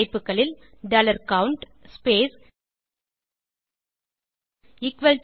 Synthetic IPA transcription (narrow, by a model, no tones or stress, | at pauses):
ɪpːɯkːɐɭɪl | ɖɐlɐɾkɐwɳʈspeːs | ɪkʋɐl